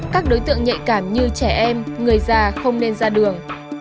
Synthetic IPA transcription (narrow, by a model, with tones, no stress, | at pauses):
kaː˦˥k̚ɗo˨˦jt̪ɨ̰˧˨əŋɲə̰˧˨kaː˧˩mɲɨ˧t͡ɕɛ˧˩ʔɛ˧mŋɨ˨˩əjzaː˧˩xə˧wŋ͡mne˧nzaː˧ɗɨ˨˩əŋ